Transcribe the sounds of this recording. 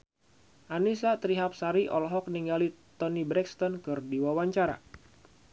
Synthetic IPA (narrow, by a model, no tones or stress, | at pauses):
ʔanisat̪ɾiɦap̚saɾiʔɔ̰lɔɦɔk̚niŋɡalit̪ɔnibɾɛkst̪ɔnkɨrdiwawaɲt͡ʃaɾa̰